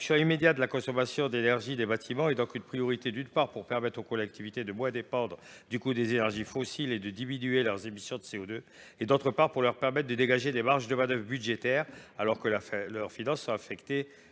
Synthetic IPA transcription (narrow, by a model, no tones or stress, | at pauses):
sjɔ̃imed̪jat̚d̪əlakɔ̃sɔmasjɔ̃d̪enɛʁʒid̪ebat̪ʰimɑ̃ed̪ɔ̃kynpχijɔʁit̪ed̪ynpaʁpuʁpɛʁmɛt̪χokɔlɛk̚t̪ivit̪ed̪əmwɛ̃d̪epɑ̃d̪ʁə | d̪ykud̪ezenɛʁʒifosiled̪əd̪iminyelœʁzemisjɔ̃d̪əseod̪ø | ed̪ot̪χəpaʁpuʁlœʁpɛʁmɛt̪̚d̪əd̪eɡaʒed̪emaʁʒd̪əmɛ̃d̪œvʁbyd̪ʒet̪ɛʁalɔʁkəlœʁfinɑ̃sːwaːfɛkt̪e